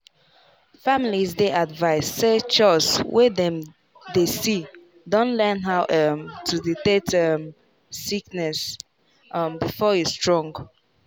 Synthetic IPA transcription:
familizdeʔadvaɪsːet͡ʃɔswedɛ̃m | desi | dɔ̃nlɛnɦaʊʔʌmtʰuðitetʌm | siknɛs | ʔʌmbifɔjustɹɔ̃ŋɡ

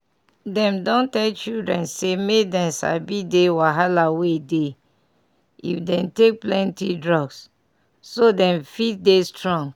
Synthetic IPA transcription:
dɛ̃mdɔ̃ntɛlt͡ʃildɹɛ̃nsemedɛ̃nsa̰bidewaɦalawede | ḭfdɛ̃mtek̚plɛ̃ntidɹɔɡsː | odɛ̃ɱfitdestɹɔ̃ŋ

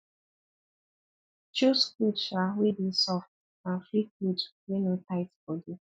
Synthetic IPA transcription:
t͡ʃoskutawebisɔft̚ | naflikutwenotaɪtfɔdu

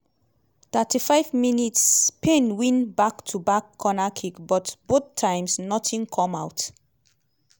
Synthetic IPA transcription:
θatifaɪvminitspʰẽnwĩnbaktʰubakʰːɔnakʰikbɔtboθtʰːãɪ̃msnɔtʰĩŋkʰɔ̃mawt

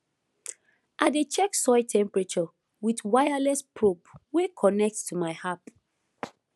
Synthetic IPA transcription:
ʔaɪdet͡ʃɛksɔɪtʰɛ̃mpɹɛt͡ʃɔ | witwajalɛspʰɹopwekʰɔnɛk̚ttumaɪhap

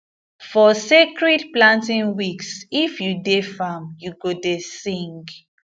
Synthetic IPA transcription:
fɔsekɹɛdplãntĩŋwiksifjudefamjuɡodesĩŋɡ

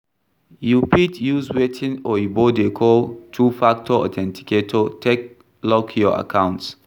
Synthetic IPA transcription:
jupitjuzwetʰĩnɔjibodekʰɔltʰufak̚tʰɔɔ̰tʰɛ̃ntʰi̥ketʰotʰek̚ | lɔkʰjɔa̰kʰãʊ̃nts

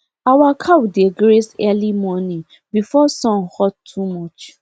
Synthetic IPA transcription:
awakʰawideɡɾesɛlimɔnĩ | bifɔsɔ̃nhɔdtʰumɔt͡ʃ

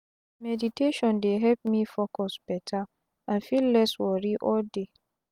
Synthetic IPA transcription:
mɛditʰeʃɔ̃ndeɦɛlp̚mĩfɔkʰɔsb̥ɛtʰa | ãnfilːɛswɔɾiʔɔlde

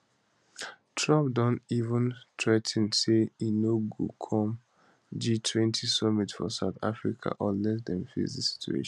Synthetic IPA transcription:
tʰɹɔ̃pdɔ̃ntivə̃ntʰɹɛtʰn̩seinoɡṵkʰɔ̃m | d͡ʒitʰwɛ̃ntʰisɔmitfɔ̰saʊθa̰fɹikʰa̰ʔɔlɛsd̪ɛ̃mfḭsdisi̥tʰṵḛʃ

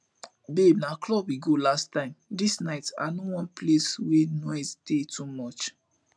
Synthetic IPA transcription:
bebnaklɔbwiɡolastãɪ̃mdisnaɪta̰nowɔ̃npleswenɔztetʰumɔt͡ʃ

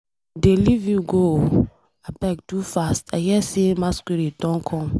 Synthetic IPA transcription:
delivjuɡo | abɛk̚dufastahɛsemaskiɾidɔ̃nkʰɔ̃m

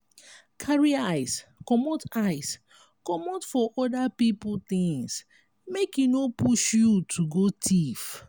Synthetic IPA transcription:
kʰaɹiaɪskɔmotaɪs | kɔmotfɔʔɔdapipʊt̪ɪ̃ŋs | mekinopuʃjutʰuɡotʰif

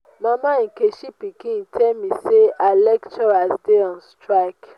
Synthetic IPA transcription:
mãmãikeʃipikĩtʰɛmĩseʔalɛktɔɾasdeɔ̃nstɾak

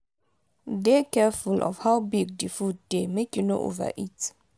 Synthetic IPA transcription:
dekɛfulʔɔ̰vhaʊbiɡ̚difut̚d̥emekuno̰ʔo̰və̰ʔit

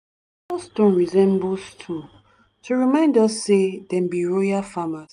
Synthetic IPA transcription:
ɔsdõnɹizɛ̃mbostʰũ | tʰuɹimãɪ̃ndɔsːedɛ̃mbiɹojafamas

